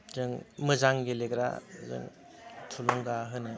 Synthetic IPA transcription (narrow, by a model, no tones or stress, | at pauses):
zɯŋmɯzaŋɡeleɡɾa̰zɯ̰ŋ | tʰulɔŋɡaɦɯnɯ